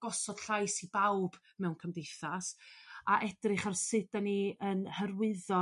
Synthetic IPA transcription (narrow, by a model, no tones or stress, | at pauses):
ɡ̥ɔsɔd̥ɬajsibawb̥ | mɛwnkʰəmdejθasaʔɛd̥rɪχarsɪdaniənhərwɨðɔ